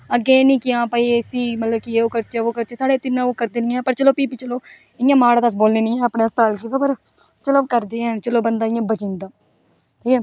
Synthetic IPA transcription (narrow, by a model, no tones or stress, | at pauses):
əɡeːnĩːkɪãːpaːiesiːmət̪ləbkɪeːoːkəɾt͡ʃeːoːkəɾt͡ʃeːsaːɽeːt̪ɪnãoːkəɾd̪eːnɪ̃ɛ̃ːpəɾt͡ʃəloːpiːpiːt͡ʃəloː | ɪjãːmaːɽãːd̪əs̬boːlneːnĩːɛ̃ːəpneːst̪aːlkiːʋapəɾ | t͡ʃəloːkəɾd̪eːɦɛ̃ːt͡ʃəloːbənd̪aːɪjãːbət͡ʃɪ̃nd̪aː | t̪ʰiːkɛː